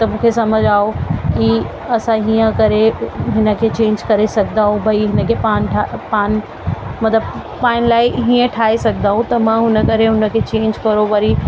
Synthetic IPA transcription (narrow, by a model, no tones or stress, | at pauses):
t̪ɐmũːkʰesɐməd͡ʑʱaːoki | ɐsãɦiːə̃kɐɾeɦɪnə̆kʰet͡ɕẽːɲd͡ʒkɐɾesɐkʰd̪aːɦũbʱɐiɦɪnə̆kʰepaːnʈʰapaːn | mɐt̪ləb | paːɪnlaːɪɦiə̃ʈʰaːesɐɡʰʱd̪aːɦũt̪ɐmãɦʊnə̆kɐɾeɦʊnə̆kʰet͡ɕẽːɲd͡ʑkɐɾoʋɐɾi